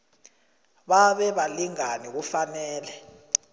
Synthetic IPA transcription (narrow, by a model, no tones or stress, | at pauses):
ɓaɓɛɓaliŋanik̬ufanɛːlɛ